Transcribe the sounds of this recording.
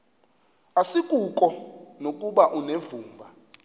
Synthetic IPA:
asikʼukʼɔnokʼuɓaʔunevuːmbʱa

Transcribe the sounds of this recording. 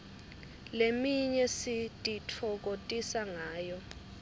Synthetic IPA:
lemiɲɛsitʼitʰɔk̬otʼisaŋaːjɔ

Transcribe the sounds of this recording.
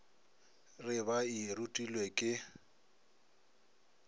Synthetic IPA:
rɪβairutʼilwekʼɪ

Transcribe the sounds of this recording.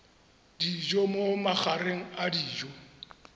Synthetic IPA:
d̥id͡ʒɔmomaχʰaɾeŋ̩adiːd͡ʒɔ

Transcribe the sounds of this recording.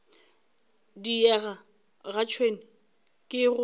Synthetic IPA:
diɛɣa | ɣat͡ʃʰwenɪ | kʼɪɣʊ

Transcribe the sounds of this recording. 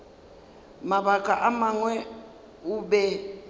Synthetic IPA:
maɓakʼaʔamaŋwɛ | uɓɛ

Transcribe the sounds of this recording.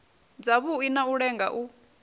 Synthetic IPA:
d͡zaβuinauɺɛŋɡa̰ʔu

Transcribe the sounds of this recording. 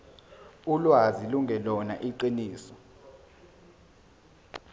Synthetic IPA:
ulwaziluŋɡʱɛlɔna̰ʔiǀiniːsɔ

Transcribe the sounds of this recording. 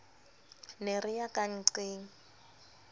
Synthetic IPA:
nerɪjakaŋ̩ǀeːŋ̩

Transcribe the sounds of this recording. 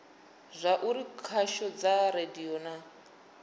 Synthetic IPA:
zʷaʔuɾikʰaʃɔd͡zarediɔna

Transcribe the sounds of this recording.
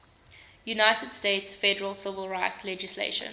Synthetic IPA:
junaɪtʰədsteɪtsfɛdəɹəlˠsɪvəlˠɹaɪtslɛd͡ʒɪslḛʃə̰̃n

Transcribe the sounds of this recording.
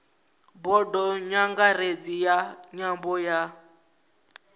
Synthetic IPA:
bɔdɔɲaŋɡaɾed͡zijaɲambɔja

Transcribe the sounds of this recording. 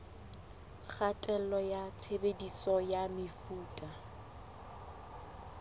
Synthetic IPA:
k͡xʰatʼɛlɔjat͡sʰebedisɔjamɪfuːtʼa

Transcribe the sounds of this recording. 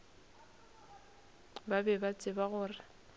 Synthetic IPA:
babɛbat͡sʼɪbaɣʊːrɪ

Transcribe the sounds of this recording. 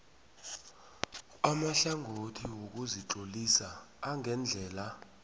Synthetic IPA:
amaɬaŋʱotʰiwok̬uziǃolisaː | ŋʱɛnd͡ɮʱɛːla

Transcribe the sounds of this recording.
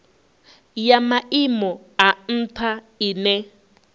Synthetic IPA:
jamaimɔ | an̩tʰa | inɛ

